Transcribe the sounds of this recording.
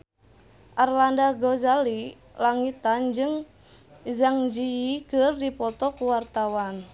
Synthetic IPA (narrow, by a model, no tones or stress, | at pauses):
ʔarlandaɡɔzali | laŋit̪and͡ʒɨŋ | zaŋd͡ʒijikɨrdipɔt̪ɔkuwart̪awan